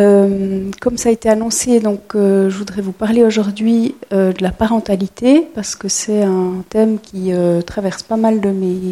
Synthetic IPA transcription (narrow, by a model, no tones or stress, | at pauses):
ømkɔmsaːet̪eanɔ̃sed̪ɔ̃køʒəvud̪ʁɛvupaʁleoʒuʁd̪ɥiød̪əlapaʁɑ̃t̪alit̪epaʁsə̥kəsɛɛ̃t̪ɛmkʲiøt̪χavɛʁspamald̪əme